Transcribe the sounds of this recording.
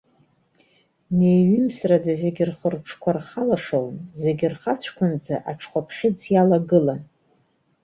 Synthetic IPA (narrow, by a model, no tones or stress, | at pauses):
ne̞jɥimsrad͡zaze̞ɡʲɪrχərʈ͡ʂʰkʷʰarχalaʂownze̞ɡʲɪrχat͡ɕʷʰkʷʰʊnd͡zaʔaʈ͡ʂʰχʷapʰχʲɪd͡zjalaɡɨlan